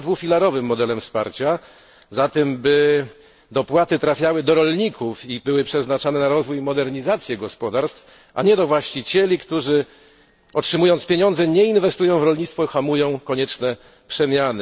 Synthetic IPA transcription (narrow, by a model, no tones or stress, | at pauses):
d̪vufʲilaɾɔvɘmːɔd̪ɛlɛmfspa̰ɾt͡ɕa | zat̪ɛmbɘ | d̪ɔpwat̪ɘt̪ɾafʲjawɘd̪ɔɾɔlɲikʰufibɘwɘpʂɛznat͡ʂanɛnaɾɔzvujmɔd̪ɛɾɲizat̪sʲjɛɡɔspɔd̪aɾst̪f | ʔa̰ɲɛd̪ɔvwaɕt͡ɕit͡ɕɛlʲikt̪uʐɘ | ɔtʂɘmujɔntspʲjeɲɔ̃nd̪zɛɲɛinvɛst̪ujɔ̃w̃vɾɔlɲit̪t̪fɔxamujɔ̃w̃kɔɲɛt͡ʂnɛ | pʂɛmʲjanɘ